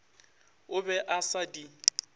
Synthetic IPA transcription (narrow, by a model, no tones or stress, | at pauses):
ʊbɛʔasadi